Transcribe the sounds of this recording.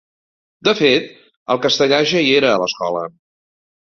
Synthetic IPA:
d̪əfet̪ | əlˠkəst̪əʎaʒəieɾəːləskɔ̰lə

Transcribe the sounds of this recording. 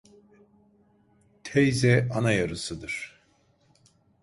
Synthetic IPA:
t̪ʰɛjzɛanajaɾɯsɯd̪ɯɾ̥

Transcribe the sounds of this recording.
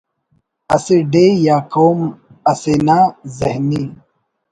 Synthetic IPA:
ɐseɖejaːkoːm | ɐsenazehni

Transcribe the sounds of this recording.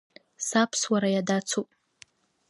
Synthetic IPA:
sapʰswaɾajadat͡sʰupʼ

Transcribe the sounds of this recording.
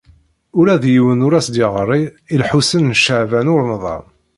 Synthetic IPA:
ʊɾæðjiwənʊɾæsd̪ɪʁəɾˤːiilħusənnʃəʕvænʊɾnðˤɑ̰m

